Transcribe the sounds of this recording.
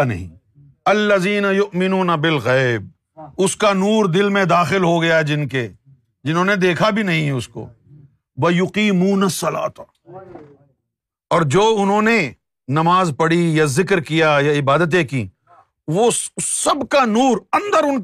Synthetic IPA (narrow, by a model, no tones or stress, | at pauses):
nɐ̰ɦḭ̃ː | ɐlːɐziːnɐjʊʔmɪnuːnɐbɪlɣɛːb̚ | ʊskanuːɾd̪ɪlmẽd̪aːxɪlɦoɡɐjaɦɛd͡ʒɪnke | d͡ʒɪnɦõːned̪eːkʰabʱinɐɦĩɦɛʊsko̰ː | ʋɐjʊqiːmuːnɐsːɐla̰ːt̪ | ɔːɾd͡ʒoːʊnɦõːne | nɐmaːzpɐɽijazɪkɾkijajaɪbaːd̪ət̪̬ekḭː | ʋosɐbkanuːɾɐ̃nd̪əɾʊn